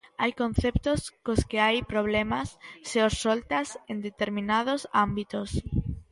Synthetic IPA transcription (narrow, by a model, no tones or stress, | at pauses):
ajkõn̟θept̪oskoskɪajpɾoβ̞lɛmasːeosːolt̪asend̪et̪eɾmĩnað̞osambit̪os